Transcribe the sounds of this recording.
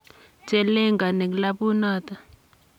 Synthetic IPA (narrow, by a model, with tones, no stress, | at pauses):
tɛ˦lɛ˦ŋɡa˨nɛ˨kla˦ɓu˦naː˨ta˨